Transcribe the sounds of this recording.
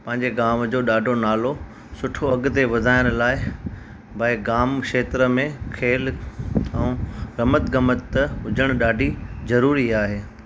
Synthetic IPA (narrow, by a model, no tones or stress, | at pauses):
pɐ̃ɦɪ̃ɲ̆d͡ʑeɡaːmd͡ʑoːɗaːɖʱonaːlo | sʊʈʰoɐɡt̪eʋɐd̪ʱaːɪɽ̃laːɪ | bʱɐɪɡaːmkʃeːt̪ɾə̆mẽkʰeːlɛ̃ũɾɐmət̪ɡɐmət̪ːəɦʊd͡ʑʱəɽ̃ɗaːɖʱizɐɾuːɾiaːɦeː